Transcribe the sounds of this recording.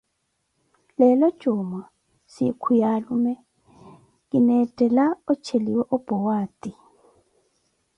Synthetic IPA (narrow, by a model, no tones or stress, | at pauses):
lɛlɔd̥ʒ̥ʱuma | sikʰujalumɛ | kinɛtʼɛlaɔt͡ʃʰeliwɛʔɔb̥ʱɔwaːtʼi